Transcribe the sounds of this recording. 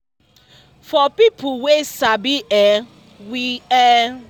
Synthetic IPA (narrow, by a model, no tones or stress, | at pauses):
fɔpipʊwesabiɛ | wiɛ